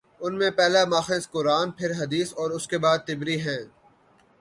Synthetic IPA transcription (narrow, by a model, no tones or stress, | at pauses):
ʊnmẽpɛːlamaːxẽskʊɾaːnpʰɪɾɦɐd̪iːsɔːɾʊskebaːd̪̚t̪ɪbɾiɦɛ̃ː